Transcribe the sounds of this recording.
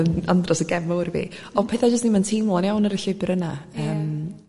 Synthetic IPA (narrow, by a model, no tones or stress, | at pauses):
ənandrɔsəɡɛvɔwrvḭɔpʰeːθad͡ʒəs̬tnimantʰiːmlˠnjawnəɾəɬɪbɪɾənaəːm